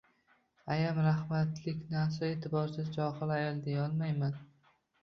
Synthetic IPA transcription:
ajamɾahmat̪lɪkʲnasae̞t̪ʰɪbɒɾsɪzd͡ʒɒhɨlˠajɒlˠd̪e̞jaɒlˠmajman

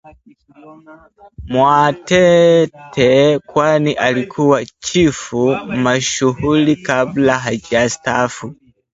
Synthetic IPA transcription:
mwatɛtʰɛkwaniʔalikʰuwat͡ʃifumaʃuhulikablaɦad͡ʒastafu

